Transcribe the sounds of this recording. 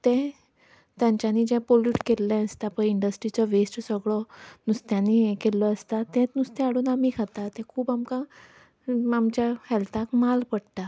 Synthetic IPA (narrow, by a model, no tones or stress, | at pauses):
t̪ɛ̃ | t̪jãɲt͡ɕjaniːd͡ʑɛ̃poluʈkelːɛ̃əst̪apəiɳɖəsʈɾit͡ɕɔʋesʈsəɡɭɔnust̪jãnikelɔəst̪at̪ɛ̃t̪nust̪ɛ̃aɽuːnamiːkʰat̪at̪ɛ̃kʰuːbamka | amt͡ɕjahɛlt̪ʰãkmalpəɽt̪a